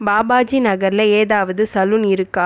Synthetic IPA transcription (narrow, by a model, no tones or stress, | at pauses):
baːbaːd͡ʒinɐɣɐɾɪlɐeːðaːʋɐðɯsɐlɯnɪɾɯkːaː